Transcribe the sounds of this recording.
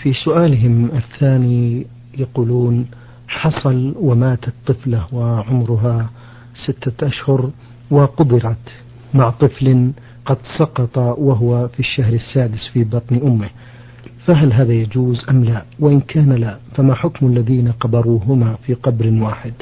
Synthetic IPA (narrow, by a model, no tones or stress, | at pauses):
fisʊʔaːlɪɦɪmɪθːaːni | jaquːluːn | ħɑsˤɑlwamaːt̪at̪ˤːɨflawɪʕʊmɾʊɦa | sɪt̪ːaʔaʃhʊɾ | wɪqʊbɪɾɑt̪ | maʕt̪ˤɨflɪ | qɑd̪sˤɑqɑt̪ˤɑwaɦʊwafiʃːaɦɾɪsːaːd̪ɪsfibɑt̪ˤnʔʊmːɪh | faɦalɦaːðajad͡ʒuːzʔamlawaʔɪnkʰaːnalafamaħʊkmalːaðiːnaqɑbɑɾˤuːɦʊmafiːqɑbɾwaːħɪd̪